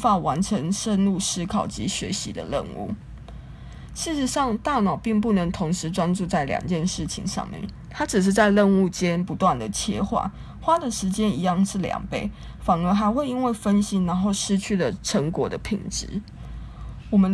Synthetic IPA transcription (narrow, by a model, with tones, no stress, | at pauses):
fa˥˩wa˧˦˥nʈ͡ʂʰə˧˥ŋʂə˥˧nlu˥˩ʂɻ̩˥kʰɑ˨˩ʊt͡ɕḭ˧˥ɕɥɛ̰˧˥ɕḭ˧˥d̪ə̰˧lə̰˥˧nṵ˥˩ | ʂɻ̩˥˩ʂɻ̩˧˥ʂɑ˥˧ŋt̪a˥˩nɑ˨˩ʊpi˥˧ŋp̬u˥˩nə˧˥ŋt̪ʰo˧˥ŋʂɻ̩˧˦ʈ͡ʂwa˥nʈ͡ʂu˥˧t͡sa˥˩ɪljɑ̰˨˩ŋt͡ɕjɛ˥˧nʂɻ̩˥˩t͡ɕʰḭ˧˥ŋʂɑ̰˥˧ŋmjɛ̰˥˩n | t̪ʰa˥ʈ͡ʂɻ̩˨˩ʂ̬ɻ̩˥˧t͡sa˥˧ɪlə˥˧nu˥˩t͡ɕjɛ˥npu˧˥t̪wa˥˩nd̪ə˩t͡ɕʰjɛ̰˥˧xwa̰˥˩ | xwa˥d̪ə˨ʂɻ̩˧˥t͡ɕjɛ˥ni˧˥jɑ˥˧ŋʂɻ̩˥˩ljɑ̰˨˩ŋpe˥˩ɪ | fɑ˨˩ŋə˧˥xa˧˥ɪxwe˥˩ɪi˥nwe˥˩ɪfə˦nɕi˧˥na˧˥nxo˥˩ʊʂɻ̩˥˧t͡ɕʰy˥˩lə˩ʈ͡ʂʰə˧˥ŋkwɔ˨˩˦d̪ə˦pʰḭ˧˩ŋʈ͡ʂɻ̩˧˦ | wɔ˨mə˦